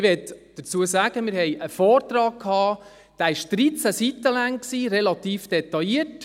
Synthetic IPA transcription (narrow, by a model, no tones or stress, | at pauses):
ʋɛt̪d̥əɾt͡suəsæːɡ̥əmɪɾhɛjʔəfɔːrt̪rɑːk̚kʰhɑː | d̪̥æːɪʃd̥ɾit͡sæsit̪ːəlæŋksiːɾɛlɑt̪iːfd̥ɛt̪ɑiət